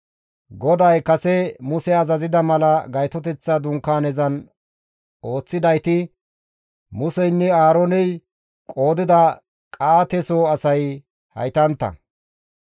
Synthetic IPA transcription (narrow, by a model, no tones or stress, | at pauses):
ɡɔd̪ɐjkɐsɛmʊsɛɐzɐzɪd̪ɐmɐlɐɡɐjt̪ɔt̪ɛt͡sːad̪ʊŋkːaːnɛzɐn | o̞ːt͡sːɪd̪ɐjt̪ɪ | mʊsɛjnːɛaːɾoːnɛj | kʼo̞ːd̪ɪd̪ɐ | kʼaːt̪ɛsoːɐsɐj | hɐ̰jt̪ɐnt̪ːɐ̰